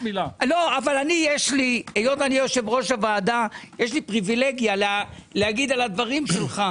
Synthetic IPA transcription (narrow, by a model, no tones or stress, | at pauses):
ilalo̞avalanijeʃliejot̪anijo̞ʃe̞vʁo̞ʃavaːd̪ajeʃlipʁivileɡjalleaɡid̪alad̪vaʁimʃe̞lχa